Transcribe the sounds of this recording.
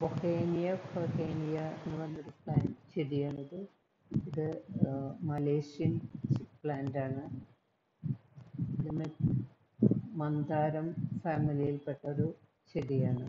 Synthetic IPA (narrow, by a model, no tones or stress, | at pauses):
bokeːnijɐfɐkeːnijɐenːɨʋɐnːoɾupɭaːnt͡ɕeɽijaːɳːɐðɨ | iðɨ | mɐleːʂijɐnpɭaːndaːɳɨ | iðɐnːe | mɐnd̪aːɾɐmfaːmilijilpe̞ʈːɐoɾu | ɕeɽijaːɳɨ